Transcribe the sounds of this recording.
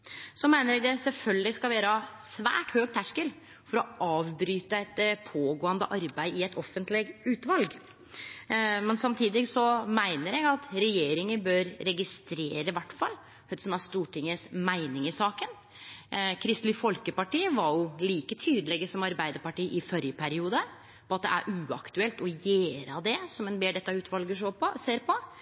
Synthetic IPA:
sɔmæɪnəɾɛɡd̪ɛsɛlfœlɡəlɪskɑlʋeːɾəsʋæ̰ːʈhøːɡ̚t̪ʰæʂkəl | fɔɾɔʔɑːʋbɾyːt̪əɛt̪pʰoːɡoːənd̪əʔɑɾbæɪɪɛt̪ʰɔfːənt̪lɪɡʉːt̪ʋɑlɡ | mɛnsɑmt̪ʰiːd̪ɪɡsɔmæɪnəɾɛɡɑt̪ɾɛjeːɾɪŋəbøːɾːɛɡɪst̪ɾeːɾəɪʋæʈːfɑ̰lː | œd̪sɔmæst̪uːʈʰɪŋːəsmæɪnɪŋɪsɑːkən | kʰɾɪst̪lɪfɔlkəpɑʈiːəʋɑɾjʊliːkət̪ʰyːd̪əlɛɡəsɔmɑɾbæɪd̪əɾpɑʈiːʔɪfɔɾjəpʰæɾɪuːd̪ə | pʰɔɑt̪̚d̪ɛ̰æ̰ɾʔʉːɑ̰kt̪ʉɛlt̪ɔjeːɾəd̪ɛsɔmɛnbeːɖɛt̪ːɑʉːt̪ʋɑlɡəʂoːpʰɔseːɾpʰɔ

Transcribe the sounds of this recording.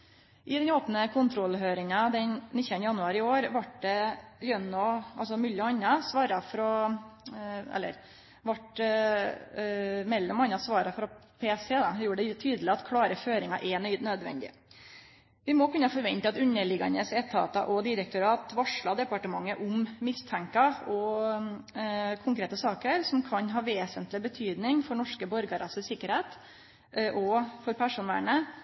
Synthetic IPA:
ʔɪd̪ɛnoːpnəkʰʊnt̪ʰɾɔlːɦøːɾɪŋɑd̪ɛnnɪçːənjɑnʉɑːɾɪoːɾʋɑʈ̚d̪ɛljœnːɔɑ̰ls̬ɔmʏlːɔɑɲnːɑsʋɑːɾɑfɾɔ | ɛ̰lːə̰ɾ | ʋɑʈ | mɛlːɔmɑnːɑsʋɑːɾɑfɾɔpʰeːsɛd̪ɑjuːɾəɖ̪ɛt̪ʰyːd̪əlɪɑt̪kʰɽɑːɾəføːɾɪŋɑ̰ʔɛnœʏd̪nød̪ʋɛ̰nd̪ɪ̰ | ʋɪmɔkʰʉnːəfɔɾʋɛnt̪əɑt̪ʉnːəɭɪɡɑ̰nəsɛt̪ʰɑ̰ːt̪ɑʔɔd̪ɪɾək̚t̪ʊɾɑːt̪ʋɑʂɭɑd̪ɛpɑʈəmɑŋːəʔʊmːɪst̪ʰæŋkɑɔ | kʰʊŋkɾeːt̪əsɑːkəɾsɔmkʰɑɲɦɑːʋeːsənt̪lɪbət̪ʰyːd̪nɪŋfɔɳɔʂkəbɔɾɡɑɾɑsəsɪkːəɾheːt̪ | ʔɔfɔɾpʰæʂuːnʋæ̰ːɳə

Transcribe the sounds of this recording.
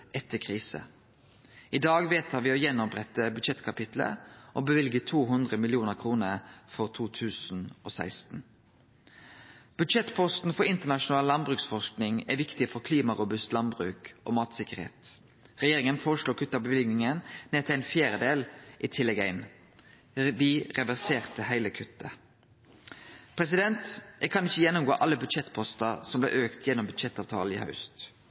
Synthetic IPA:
ʔɛt̪ʰːəkʰʁiːsə̰ | ʔɪd̪ɑːɡʋeːt̪ʰhɑʋɪːoːjɛnɔpʁɛt̪ːəbʉd̪ʃɛt̪kʰɑpɪt̪lə̰ʔoːbəʋɪlɡət̪ʰuːɦʉnd̪ʁəmɪlɪuːnəkʰʁuːnəʁfɔʁt̪ʰuːt̪ʰʉːsn̩oːsæ̰ɪst̪n̩ | b̥ʉd̪ʃɛt̪pʰɔst̪n̩fɔɾɪnt̪əʁnɑʃʊnɑːləlɑnbʁʉːksfɔʂknɪŋɛʋɪkt̪ɪfɔʁkʰliːmɑʁʊbʉst̪lɑnbʁʉːkʔo̰ːmɑːt̪sɪkəʁhḛːt̪ | ʁɛjeːʁɪŋənfoːʁəʂluːkʰʉt̪ːɑbəʋɪlɡnɪŋənneːt̪ʰɪlæɪnfjæːɾəd̪eːlʔiːt̪ʰɪlːɛɡæɪn | ʋɪʁɛʋæʁseːʁt̪əhæɪləkʰʉt̪ːə | pʰʁɛsɪd̪ɛnt̪ʔɛkʰɑnɪçːəjɛnːʊmɡoːʔɑlːəbʉd̪ʃɛt̪ːpʰɔst̪ɑsɔmblɛ̰ːʔøːkt̪ʰjɛnːɔmbʉd̪ʃɛt̪ːɑːʋt̪ʰɑ̰ːləḭːhɑ̰ʉst̪

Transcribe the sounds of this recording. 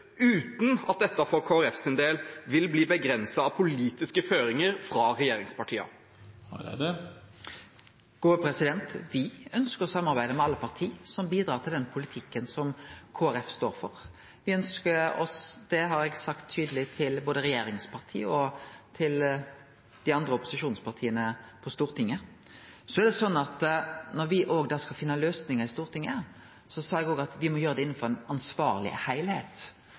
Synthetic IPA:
ʉːt̪n̩ɑ̰t̪̚d̪ɛt̪ːɑfɔɾkʰoːæɾɛfsɪnd̪eːlʋɪlbliːbəɡɾɛnsɑɑpʰʊliːt̪ɪskəføːɾɪŋəɾfɾɑɾɛjeːɾɪŋspɑʈʰiːɑ̰ | ɡ̥oːpʰɾɛsɪd̪ɛnt̪ʋɪœnskəɾɔsɑmːɑʁbæɪd̪əmɛɑlːəpʰɑʁt̪ʰiːsɔmbiːd̪ɾɑːʁt̪ʰɪld̪ɛnpʰʊlɪt̪ʰɪkːənsɔmkʰoːæɾɛfst̪o̰ːɾfɔɾ | ʋɪœnskəɔ̰sd̪̥ɛɦɑɾɛɡsɑkt̪ʰːyːd̪əlɪt̪ʰɪlboːd̪əɾɛjeːɾɪŋspʰɑʁt̪ʰḭːəɔt̪ʰɪl | d̪̥ɪɑnd̪ɾəʊpʊ̥sɪʃuːnspʰɑʁt̪ʰiːənəpʰɔst̪uːʁt̪ʰɪŋːə | sɔɛɾd̪ɛsɔnːɑt̪nɔʁʋɪʔoːɡd̪ɑːskɑlfɪnːɑløːsnɪŋəʁɪst̪uːʁt̪ʰɪŋːə | sɔsɑːɛɡoːɡɑt̪ʋɪmɔjøːʁəd̪ɛɪnːn̩fɔʁɛnɑnsʋɑːʁlɪ̰hæɪlheːt̪

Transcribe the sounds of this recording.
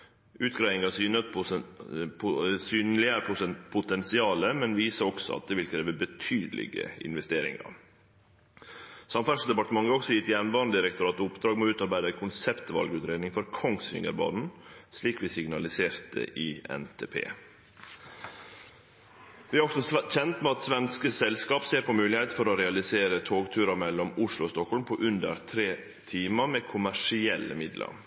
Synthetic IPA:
ʉːt̪ɡɾæɪɪŋɑsyːnət̪ | pʰʊsyːnlɪəɾəʊpʰʊt̪ʰɛnsɪɑːləmɛnʋiːsəɔksɔ̰ɑ̰t̪̚d̪ɛʋɪlkʰɾeːʋəbət̪ʰyːd̪əlɪ̰ɡə̰ɪ̰nʋɛst̪eːɾɪ̰ŋɑ̰ɾ | sɑmfæʂd̪ɛpɑʈ̪əmɑŋːəɔksɔjɪt̪jæːɾnʋɑːnd̪ɪɾɛk̚t̪ʊɾɑːt̪əʊpd̪ɾɑːɡmoːʉːt̪ɑɾbæɪd̪əækʰʊnsɛpt̪ʋɑ̰lɡʉːt̪ɾeːd̪nɪŋfɔɾkʰɔŋsʋɪ̰ŋə̰ɾbɑ̰ːd̪n̩ʂliːkʋɪsɪɡnɑlɪseːɾt̪ə̰ʔɪːɛ̰nt̪ʰeːpʰḛː | ʋɪːæɾɔɡsɔçɛnt̪mɛɑt̪sʋɛnskəsɛlskɑːpseːɾpʰɔmʉːlɪheɪt̪fɔɾɔɾɛɑlɪseːɾət̪ʰoːɡt̪ʰʉːɾɑmɛlːɔmʊʂlʊɔst̪ɔkhɔlmpʰɔʔʉnd̪ə̰ɾt̪ʰɾeː | t̪ʰiːmɑmɛkʰʊmæʂɪɛlːə̰mɪd̪lə̰ɾ

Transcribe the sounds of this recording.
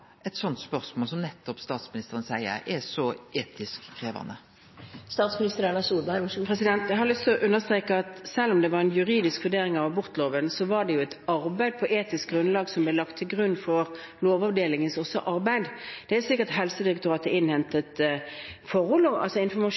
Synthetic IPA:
ɛt̪sɔnt̪spœɾsmoːlsɔmnɛt̪ːɔpst̪ɑːt̪smɪnɪst̪əɾənsæɪə̰ɾɛsɔʔeːt̪ʰɪskʰːɾeːʋɑ̰nə | st̪ɑːt̪smɪnɪst̪əɾæɳɑsuːlbæpʰɛsɪd̪ɛnt̪jæɪhɑlʏst̪ɔʔʉnːəst̪ʁeːkəɑt̪sɛlːɔmd̪ɛʋɑɾɛnjʉɾiːd̪ɪskʋʉɖeːɾɪŋɑʋɑbʊɾt̪loːʋənsɔʋɑɖ̪ɛjʊæt̪ɑɾbæɪd̪̚pʰɔʔeːt̪ɪsk̚ɡɾʁʉnlɑːɡsɔmblɛlɑkt̪ʰːɪlɡʁʉnːfɔɾ | loːʋɑʋd̪eːlɪŋənsɔsɔ̰ʔɑɾbæɪd̪d̪̥ɛæsɪkːət̪ɦɛlsəd̪ɪɾɛk̚t̪ʊɾɑːt̪əɪnhɛnt̪ət̪ | fɔɾɔlɔʔɑ̰lsɔɪnfɔmɑ

